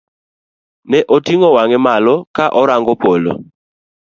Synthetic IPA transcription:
nɛʔotiŋɔwaŋɛmalɔkaʔɔɾaŋɡɔpolo̰

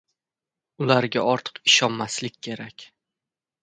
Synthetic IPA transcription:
ʊlaɾɡʲa̰ʔɒɾt̪ʰɨ̥qɪʃɒnmaslɪkʲʰːe̞ɾakʲ

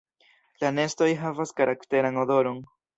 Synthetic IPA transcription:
lane̞sto̞jɦavaskaɾakte̞ɾanodo̞ɾo̞n

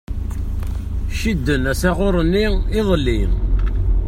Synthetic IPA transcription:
ʃid̪ːənæsæʁoɾˤənːiɪðˤəlːi

